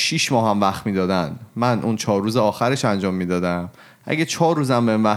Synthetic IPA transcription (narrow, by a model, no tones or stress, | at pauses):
ʃiʃmɒːɦæmvæxt̪miːd̪ɒːd̪ænmænʔunt͡ʃʰɒːɾːuːzeɒːxæɾeʃænd͡ʒɒːmːiːd̪ɒːd̪æm | ʔæ̰ɟæt͡ʃʰɒːɾːuːzæmbenvæ